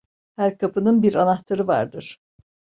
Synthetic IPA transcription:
hæɾkʰapɯnɯnbiɾanaht̪ʰaɾɯva̰ɾd̪ɯɾ̥

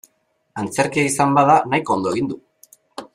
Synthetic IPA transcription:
ant͡se̞ɾkiaisambaðanajko̞ond̪o̞e̞ɣind̪u

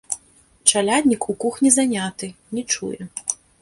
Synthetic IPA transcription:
t͡ʂalʲad̪ʲnʲikukuxnʲizanʲat̪ɨnʲit͡ʂṵjɛ

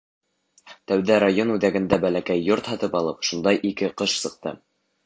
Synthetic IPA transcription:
t̪æwðæɾajonʉðæɡɘ̆nd̪æbælækæjːoɾt̪hɑt̪ɤpɑlˠɤpʃund̪ɑjʔikɘqɤʃsɤ̆q̚t̪ɤ̰

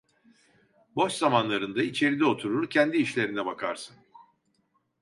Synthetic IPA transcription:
bo̞t͡ʃzamanlˠaɾɯnd̪ait͡ʃʰe̞ɾid̪ɛo̞t̪ʰuɾuɾcʰɛnd̪iːʃlʲe̞ɾinɛbakʰaɾsɯn

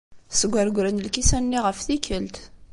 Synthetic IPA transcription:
səɡʷːæɾɡʷɾənəlkisænːiʁəfθikəlt̪

